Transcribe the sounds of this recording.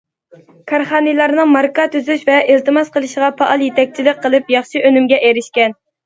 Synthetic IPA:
kʰɑɾχɑːnɨlˠɑɾnɨŋmɑɾkɑt̪ʰyzyʃvɛʔɪlt̪ɨmɑsqəlˠɨʃʁɑpʰɑʔɑlˠjet̪ʰɛk̚ʲt͡ʃʰilɪk̚ʲqːəlˠɨpjɑχʃiʔønymɡʲɛʔeɾɪʃkʲɛn

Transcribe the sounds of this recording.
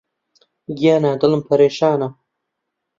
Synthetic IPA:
ɡijaːnaːd̪əlɨmpʰɐɾeːʃaːna

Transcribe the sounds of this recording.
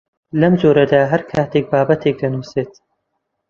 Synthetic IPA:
lɐmd͡ʒoːɾɐd̪aːɦɐɾkʰaːt̪ʰeːk̚baːbɐt̪ʰeːk̚d̪ɐnuːseːt̪

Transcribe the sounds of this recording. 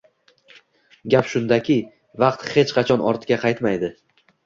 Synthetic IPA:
ɡʲapʃʊnd̪akʲʰɪ | vɑqt̪he̞t͡ʃqʰɑt͡ʃʰɒnʔɒ̰ɾt̪ʰɪɡʲaqʰɑjt̪majd̪ɪ

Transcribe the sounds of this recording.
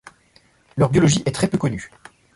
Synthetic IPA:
lœʁbjɔlɔʒiʔɛt̪χɛpøkɔny

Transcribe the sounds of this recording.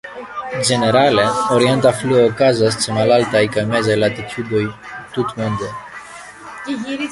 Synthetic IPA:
d͡ʒe̞ne̞ɾaleoɾient̪afluookazast͡semalalt̪ajkajmezajlat̪it͡ʃud̪oj | t̪ut̪mund̪e

